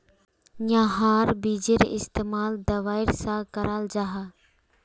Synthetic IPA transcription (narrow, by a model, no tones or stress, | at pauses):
jãːɦaːɾbiːd͡ʒeɾɪst̪eːmaːld̪ɐʋaːɪɾsakəɾaːld͡ʒaːɦaː